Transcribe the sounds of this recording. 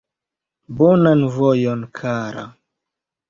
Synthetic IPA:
bɔnanvojonkʰaɾa̰

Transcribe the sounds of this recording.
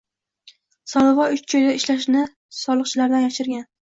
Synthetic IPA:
sɒlˠɨvɒʊt͡ʃt͡ʃʰojd̪aɪʃlaʃnɪ | sɒlˠɨqt͡ʃʰɪlaɾd̪anjɒʃɪɾɡʲan

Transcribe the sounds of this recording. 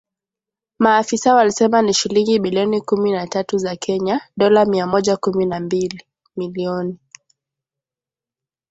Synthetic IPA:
maːfisawalisɛmaniʃiliŋɡimiliɔnikuminatatuzakʰɛɲaɗɔlamiamɔʄakuminambili | miliɔni

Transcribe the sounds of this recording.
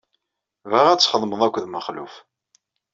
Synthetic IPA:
vəʁæt͡sːχəðˤməðˤækʷːðməχlṵf

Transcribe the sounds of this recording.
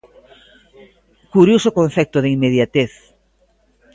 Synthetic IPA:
kuɾjosokõn̟θɛk̚t̪oðeimːeð̞jat̪eθ

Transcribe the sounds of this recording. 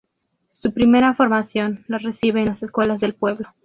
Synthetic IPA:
supɾime̞ɾafo̞ɾmasjo̞nlaresiβeːnlaseskwe̞lazðe̞lpwe̞βlo

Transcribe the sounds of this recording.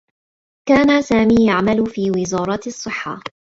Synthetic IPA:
kaːnasaːmiːjaʕmalʊfiːwɪzɑːɾˤɑt̪ɑsˤːɨħːa̰

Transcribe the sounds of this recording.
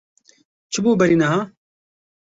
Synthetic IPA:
t͡ʃʰubuːbɐɾinaɦaː

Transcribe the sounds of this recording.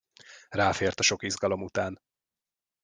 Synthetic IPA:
raːfeːrt̪ɒʃo̞kizɡɒlo̞mut̪aːn

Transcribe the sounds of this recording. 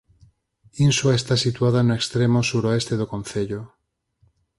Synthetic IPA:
inswaest̪asit̪wað̞anoekst̪ɾemosuɾoest̪eðokõn̟θeʎo

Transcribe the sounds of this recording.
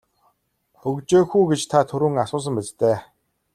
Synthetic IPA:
ɵɣt͡ɕeːxuːɡet͡ɕt̪ʰat̪ʰɵɾŭːŋasʊːs̬ə̆mpæt͡st̪ʰeː

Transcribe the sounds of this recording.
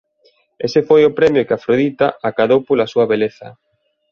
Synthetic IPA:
esefojʊpɾɛmjʊkɪafɾoðit̪aakaðowpolasuɐβeleθɐ̰

